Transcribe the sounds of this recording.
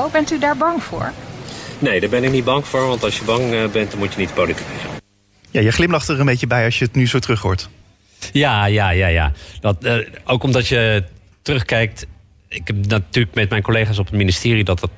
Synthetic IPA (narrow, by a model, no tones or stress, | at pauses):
owbɛntydaːɹbɑŋvʊ̰ːɹnejdaɹbɛnɪknid̚bɑŋv̥ʊːɹʋɑntɑlˠʃjəbɑŋbɛntdɑnmutjənitpolitikɪzə̰n | jaːjəχlɪmlɑχtəɹənbejcəbɛjɑʃjəətnyzowtrɵχɦʊ̰ːɹt | jaːjaːjaːja̰ːdɑtːowkɔmdɑtjə | tərɵχkɛjk̚t | ɪkɛnatyːləkmɛt̚mɛjnkolejχaːs̬ɔpətministɪːridɑtət